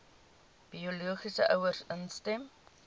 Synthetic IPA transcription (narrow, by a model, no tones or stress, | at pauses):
b̥ioluəχisəʔœwərsənstɛm